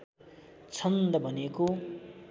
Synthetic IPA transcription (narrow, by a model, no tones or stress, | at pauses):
t͡sʰʌnd̪ʌbʱʌneko